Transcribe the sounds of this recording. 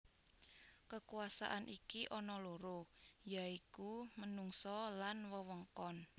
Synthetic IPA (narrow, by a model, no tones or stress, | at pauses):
kəkuasa̰ʔanʔikiʔɔnɔloɾojaikumənuŋsɔlanwəwəŋkɔn